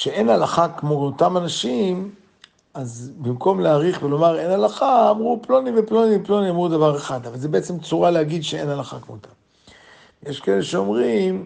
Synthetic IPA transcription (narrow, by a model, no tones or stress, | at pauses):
ʃee̞nhalaχakmo̞ot̪amanaʃim | azbimko̞mleaʁiχvelo̞maʁe̞nalaχaːmʁuplo̞niveplo̞niplo̞niamʁud̪avaʁeχad̪avalzebeet͡semt͡suʁaleaɡid̪ʃeenalaχa̰kmot̪ʰam | jeʃkaeleʃeomʁim